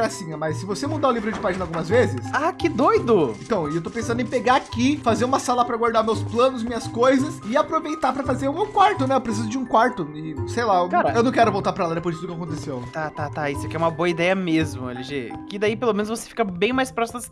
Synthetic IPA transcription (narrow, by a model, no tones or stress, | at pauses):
asĩɐmɐsːɪvosemɐ̃d̪ãũlivɾʊd͡ʒɪpaʒinawɡũmɐzvezɪsakɪd̪ojd̪ʊẽt̪ɐ̃w̃ewt̪opẽsɐ̃nd̪ʊẽpeɡaakifazeɾũmɐsalɐpɾɐɡwaɾd̪aɾmewsplɐ̃nʊzmĩɲɐskojzɐsɪapɾovejt̪apɾɐfazeɾũmewkwaɾt̪ʊnɛewpɾes̬izʊd͡ʒɪũkwaɾt̪ʊɪsejlakaɾɐewnɐ̃w̃kɛɾʊvowˠt̪aɾpɾɐɛlad̪epojzɪt̪d̪ʊkɪak̬õnt̪esewt̪at̪at̪aisʊɛkɪɛũmɐboɐid̪ɛjɐmezmʊḛleʒekɪd̪aipelomẽnʊzvose̥fi̥kɐbẽj̃majspɾɔsimʊs